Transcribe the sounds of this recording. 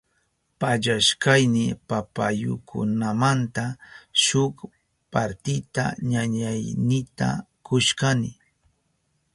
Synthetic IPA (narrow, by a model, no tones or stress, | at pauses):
paʎaʃkajnɪpapajʊ̰kʰʊ̰namant̪aʃʊk | paɾt̪ɪt̪a̰ɲaɲajnɪt̪a̰ | kʊʃkanɪ